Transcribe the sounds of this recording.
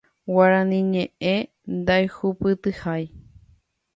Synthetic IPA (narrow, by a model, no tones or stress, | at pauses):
waɾãnĩɲẽʔe | nd̪ajhupɨt̪ɨhaj